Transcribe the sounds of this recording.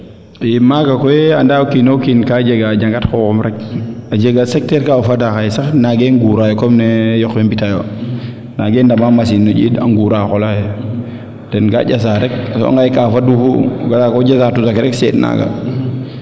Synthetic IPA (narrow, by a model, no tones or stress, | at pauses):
imaɡakɔɛandaːkinokinkad͡ʒeɡad͡ʒaŋɡatkɔkɔmɾɛkad͡ʒeɡasɛk̚tɛɾkaufadaxajsaxnaɡɛŋɡuːɾajɔkɔmnɛjɔxwɛmbitajo | naɡɛːndamamas̬inːod͡ʒḭːda̰ŋɡuːɾakɔlajɛ | d̥ɛnɡa̰ɟas̬aɾɛk̚asɔ̰a̰ŋɡajkafadufuɡalakɔɟasatusakɾɛksɛ̰ːtna̰ɡa̰